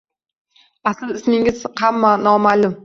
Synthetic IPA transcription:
asɪlɪsmɪŋɪz̥hamːanɒmalʊm

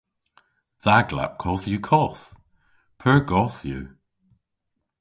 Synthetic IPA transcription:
ð̥aɡla̰p̚kʰɔsjukʰɔs | pʰə˞ɡɔsjʉ̰

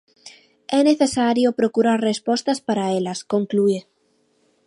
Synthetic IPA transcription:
ɛneθesaɾjopɾokuɾaɾrespɔst̪aspaɾaelaskoŋkluiɾ

